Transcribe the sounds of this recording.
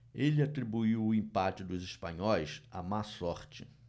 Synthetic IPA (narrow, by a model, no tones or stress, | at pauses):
elɪat̪ɾibuiwʊĩpat͡ʃɪd̪ʊziʃpɐ̰̃ɲɔjsa̰masɔɾt͡ʃɪ̰